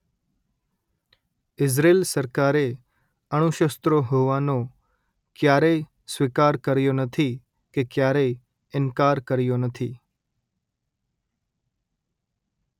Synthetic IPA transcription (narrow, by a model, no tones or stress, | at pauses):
ɪsɾelsəɾkaɾe | əɽ̃uʃəst̪ɾoɦoʋano | kjaɾej | sʋikaɾkəɾjonət̪ʰi | kekjaɾej | ɪnkaɾkəɾjonət̪ʰḭ